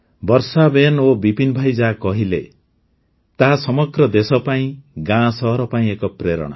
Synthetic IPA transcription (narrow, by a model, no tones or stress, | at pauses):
bɔɾsabenobipinbʱajd͡ʒakɔɦile | t̪aɦasɔmɔɡɾɔd̪esɔpaĩɡãsɔɦɔɾɔpaĩekɔpɾeɾɔ̰ɽ̃a̰